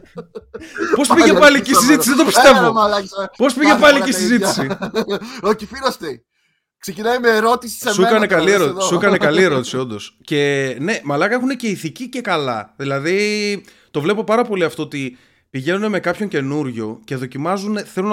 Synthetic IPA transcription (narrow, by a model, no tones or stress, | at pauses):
po̞spiʝepɐlicisizit̪isiðet̪opise̞vo̞ɐlpo̞spiʝepɐliisizitisi | oçifiɾost̪i | ksecinɐimeːɾo̞t̪isi̥sesekɐnekɐlieɾotsssekɐnekɐlie̞ɾo̞t̪i̥sio̞nd̪o̞sce̞ne̞mɐlɐkɐexune̞ce̞iθicice̞kɐlɐ̰ðilɐði | t̪o̞vle̞po̞pɐɾɐpo̞liɐft̪o̞ot̪i | piʝe̞nuneme̞kɐpço̞ɲce̞nuɾʝo̞̰ce̞ðo̞cimɐzuneθelun